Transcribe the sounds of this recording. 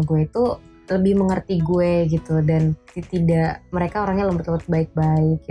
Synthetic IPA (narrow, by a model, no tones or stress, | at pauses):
ɡueit̪u | ləbɪhməŋərt̪iɡueɡit̪udanit̪idaʔməɾekaoɾaŋɲaləmpət̪ləmpət̪̚baɪk̚baɪk̚